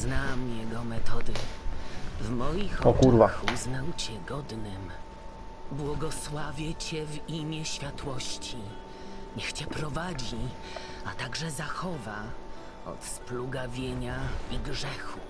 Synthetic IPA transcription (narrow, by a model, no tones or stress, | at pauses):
znamjɛɡɔmɛt̪ɔd̪ɘ | vmɔjixɔɔkuɾvaxuznawt͡ɕɛɡɔd̪nɘm | bwɔɡɔswavʲjɛt͡ɕɛvimʲjɛɕfʲjat̪wɔɕt͡ɕi | ɲɛxt͡ɕɛpɾɔvad͡ʑi | at̪aɡʐɛzaxɔva | ɔ̰t̪spluɡavʲjeɲaiɡʐɛxu